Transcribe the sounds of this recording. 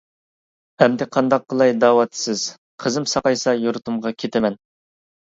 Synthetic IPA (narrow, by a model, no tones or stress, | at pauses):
hɛmd̪ɪqʰɑnd̪ɑq̚ːəlˠɑjd̪ɑːwɑt̪sɪz̥ | qʰəzɨmsɑqɑjsɑjuɾt̪umʁɑkʲʰet̪ʰɪmɛn